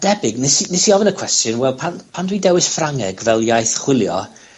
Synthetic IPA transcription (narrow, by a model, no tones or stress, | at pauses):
d̥ɛbɪɡnɪsinɪsiɔvənəkʰw̥ɛstjɔnwɛlˠpʰanpʰandwidɛwɪsfraŋɛɡvɛlˠjajθχwɪlˠjɔ̰